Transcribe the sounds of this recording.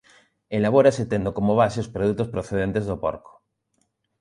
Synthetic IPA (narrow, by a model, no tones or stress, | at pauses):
elaβ̞oɾaset̪end̪okomoβ̞aseospɾoðut̪ospɾoθeðent̪ezðopo̰ɾko̥